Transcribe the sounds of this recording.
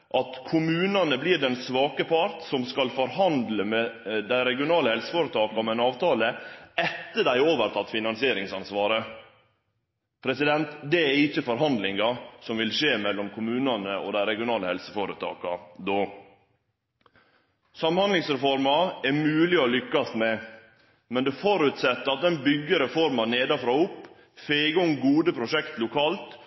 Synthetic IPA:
ʔɑt̪kʰʊmʉːnɑnəblɪɖɛnsʋɑːkəpʰɑɾt̪sɔmskɑlfɔɾhɑnd̪ləmɛd̪æɪɾɛɡɪʊnɑːləhɛlsə̥foːɾət̪ʰɑːkɑmɛnɑːʋt̪ʰɑːləɛt̪ːəɖæɪoːʋəɾt̪ʰɑt̪ːfɪnɑnsɪeːɾɪŋsɑnsʋɑːɾə | pʰɾɛsɪd̪ɛnt̪d̪ɛæɾɪçːəfɔɾɦɑnd̪lɪŋɑsɔmʋɪlʂeːmɛlːɔmkʰʊmʉːnɑnəo̰d̪æɪɾɛɡɪʊnɑːləhɛlsə̥foːɾət̪ʰɑ̰ːkɑd̪oː | sɑmhɑnd̪lɪŋsɾɛfɔɾmɑɛɾmʉːlɪɔlʏkːɑst̪mɛ | mɛnd̪ɛfɔɾʉt̪sɛt̪ːəɾɑt̪d̪ɛnbʏɡːəɾɛfɔɾmɑneːd̪ɑfɾɑːʊpː | feːɡəʊŋɡuːd̪əpʰɾʊʂɛkt̪lʊkʰɑːlt̪

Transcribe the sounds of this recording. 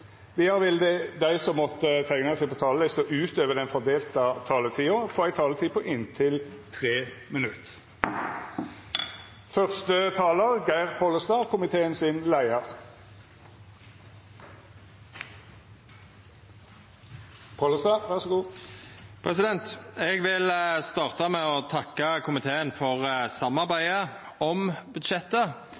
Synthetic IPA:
ʋɪhɑːʁʋɪld̪əd̪æɪsɔmːɔt̪ːət̪ʰæɪnəsæɪpʰɔt̪ʰɑːləlɪst̪ɔʔʉːt̪øːʋəʁd̪ɛnfɔʁd̪eːlt̪ɑt̪ʰɑːlət̪ʰiːʊfoːæɪt̪ʰɑːlət̪ʰiːpʰɔʔɪnt̪ʰɪlt̪ʰʁeːmənʉt̪ | fœʁst̪ət̪ʰɑːləʁɡæɪʁpʰoləst̪ɑːkʰʊmɪt̪ʰeːənsɪnlæɪəʁ | pʰoːləst̪ɑʋæʁsɔɡuː | pʰʁɛsɪd̪ɛnt̪ɛːɡʋɪlst̪ɑːʁt̪əmɛɔt̪ʰɑkːəkʰʊmɪt̪ʰeːənfɔʁsɑmːɑʁbæɪə | ɔmbʉd̪ʃɛt̪ːə

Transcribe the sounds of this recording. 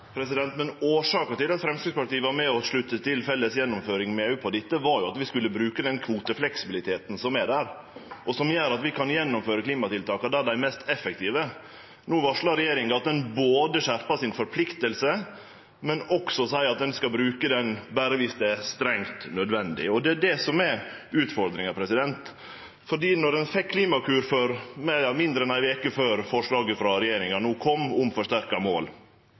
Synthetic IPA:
pʰɾɛsɪd̪ɛnt̪mɛnoːʂɑːkəʈ̪ɪlɑt̪fɾɛmskɾɪɡspɑʈiːəʋɑɾmɛɔʂɭʉt̪ːət̪ʰɪlfɛlːəsjɛnːɔmføːɾɪŋmɛʉpʰɔd̪ɪt̪ːəʋɑɾjʊɑt̪ʋɪskʉlːəbɾʉːkəd̪ɛnkʰʋuːt̪əflɛksɪbɪlɪt̪ʰeːt̪n̩sɔmæɖæːɾ | ʔɔsɔmjœːɾɑt̪ʋɪkʰɑnjɛnːʊmføːɾəkʰliːmɑt̪ɪlt̪ʰɑːkɑd̪ɛæɖæɪmɛst̪ʰɛfɛkt̪ʰiːʋə | nuːʋɑʂɭɑɾɛjeːɾɪŋɑɑt̪̚d̪ɛnboːd̪əɕæɾpɑsɪnfɔɾpʰlɪkt̪əlsə | mɛnɔksɔsæɪɑt̪̚d̪ɛnskɑbɾʉːkəd̪ɛnbæːɾəʋɪsd̪ɛæst̪ɾɛŋt̪nœd̪ʋɛnd̪ɪ̰ɔd̪ɛæɖɛsɔmɛʉːt̪fɔɾd̪ɾɪŋɑpʰɾɛsɪd̪ɛnt̪ | fɔɖiːnɔɾɛnfɛkʰːliːmɑkʰʉːɾføɾmɛɑmɪnd̪əɾɛnæɪʋeːkəføːɾfɔʂɭɑːɡəfɾɑɾɛjeːɾɪŋɑnuːkʰɔmːʊmfɔʂt̪æɾkɑmoːl

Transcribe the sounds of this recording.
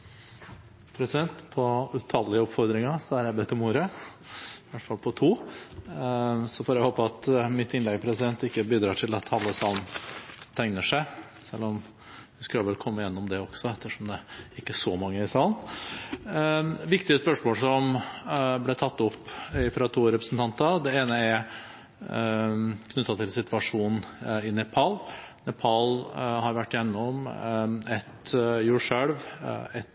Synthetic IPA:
pʰɾɛsɪd̪ɛnt̪pʰɔʉt̪ʰɑlɪəɔpfɔɾd̪ɾɪŋɑsɔæɾjæɪbɛt̪ːəmuːɾə | ʋæʈːfɑlpʰɔt̪ʰuː | sɔfɔɾjæhoːpəɑt̪mɪt̪ːɪnlɛɡpʰɾɛsɪd̪ɛnt̪ɪkːəbiːd̪ɾɑːʈʰɪlɑt̪hɑlːəsɑlnnt̪ʰæɪŋnəʂæɪ | sɛlːɔm | ʋɪskʉlʋɛlkʰɔmːəɪjɛnːɔmd̪ɛɔksɔɛt̪ːəʂɔmd̪ɛɪkːəʂɔmɑŋːəɪsɑln | ʋɪkt̪ɪəspœʂmoːlsɔm | blɛt̪ʰɑt̪ːɔpːɪfɾɑt̪ʰuːɾɛpɾəsn̩t̪ʰɑnt̪ɑd̪ɛeːnəɛɾ | kʰnʉt̪ːɑt̪ʰɪlsɪt̪ʋɑʂuːnn̩ɪnɛpʰɑlnɛpʰɑlhɑɾʋæʈːɪjɛnːɔm | ɛt̪juːʂøɽʋɛt̪

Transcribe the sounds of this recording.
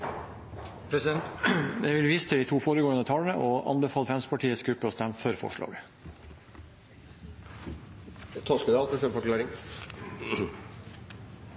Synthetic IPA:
pʰɾɛsɛnjɛʋɪlʋiːst̪ʰəd̪iːt̪ʰuːfoːɾəɡoːənət̪ʰɑlənəʔɔʔɑ̰nbəfɑːlfɛnspʰɑʈʰiːət̪sɡɾʉpːəɔst̪ɛmfœɾfɔ̰ʂɭɑ̰ːɡə | t̪ʰɔskəd̪ɑlt̪əsɛfɔɾklɑːɾɪŋ

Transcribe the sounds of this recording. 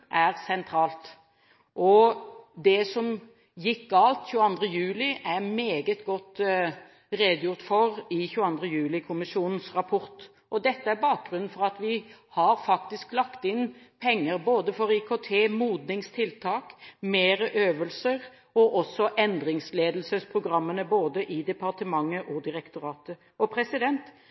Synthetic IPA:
ʔæɾsɛnt̪ʰɾɑːlt̪ | ʔɔd̪ɛsɔm | jɪkːɡɑlt̪çʉːəɑnd̪ʁəjʉːlɪʔæɾmeːɡət̪ɡɔt̪ː | ɾeːd̪əjʊɾt̪fɔɾɪçʉːɑnd̪ʁəjʉːlɪkʰʊmɪsuːnn̩sɾɑpʰɔɾt̪ | ʔɔd̪ɛt̪ːəæɾbɑːk̚ɡɾʉnn̩fɔɾɑt̪ʋɪhɑɾfɑk̚t̪ɪsklɑkt̪ɪnpʰɛŋːəɾboːd̪əfɔɾɪkʰot̪ʰeːmuːd̪nɪŋst̪ʰɪlt̪ʰɑːkmeːɾəʔøːʋəlsəɾ | ɔʔɔsɔʔɛnd̪ɾɪŋsleːd̪l̩səspʰɾʊɡɾɑmːənəboːd̪əʔɪd̪ɛpɑʁt̪əmɑŋːəʔɔd̪ɪɾɛkt̪ʊɾɑːt̪ə | ɔpʰɾɛsɪd̪ɛnt̪

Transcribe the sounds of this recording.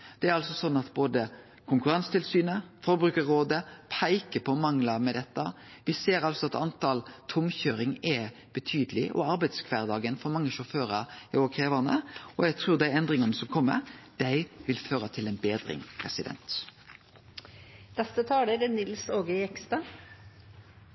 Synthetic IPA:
d̪̥ɛæɾɑlsɔsɔnːɑt̪boːd̪ə | kʰʊŋkʉɾɑnst̪ɪlsyːnəfɔɾbɾʉːkəɾoːd̪əpʰæɪkəpʰɔmɑŋlɑmɛd̪ɛt̪ːɑ | ʋɪseːɾɑlsɔɑt̪ɑnt̪ʰɑːlt̪ʰʊmçøːɾɪŋɛ | b̥ət̪ʰyːd̪əlɪʔɔ̰ɑɾbæɪd̪skʰʋæːʁd̪ɑːɡənfɔɾmɑŋːəʃʊføːɾəɾɪoːʋəkʰʁeːʋɑnə̰ɔjæt̪ʰɾʉːd̪æɪɛnd̪ʁɪŋɑnəsɔmkʰɔmːə̰ɾd̪̥æɪʋɪlføːɾət̪ʰɪlɛnbeːd̪ɾɪ̰ŋpʰʁɛsɪd̪ɛ̰nt̪ | nɛst̪ət̪ʰɑːləɾɛnɪlsoːɡəɛkst̪ɑ

